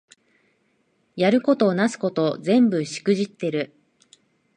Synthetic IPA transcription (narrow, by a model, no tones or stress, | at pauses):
jaɾɯ̟ko̞t̪o̞ːnasɨ̥ko̞t̪o̞zẽ̞mbɯ̟ɕi̥kɯ̟ʑit̪ːe̞ɾɯ̟